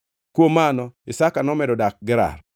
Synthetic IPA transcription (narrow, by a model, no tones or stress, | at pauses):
kwomanɔɪsakanɔmɛdɔdak̚ɡɪɾa̰r